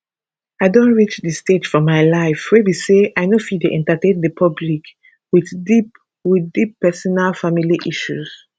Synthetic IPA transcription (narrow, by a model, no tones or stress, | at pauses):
aɪdõntɹit͡ʃðəsted͡ʒ̥fɔmaɪlaɪfɹebiseʔaɪnofideʔɛ̃ntatẽnðəpʰʌblik | wiðdip | wiðdipːɛsɔnalfamiliʔiʃuz̥